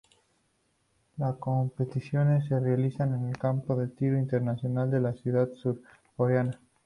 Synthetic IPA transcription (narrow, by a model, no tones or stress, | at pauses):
lasko̞mpet̪iθjone̞sːerealiθanenelkampoðet̪iɾoint̪eɾnaθjo̞nald̪e̞lasjuðaðsuɾ | koɾeana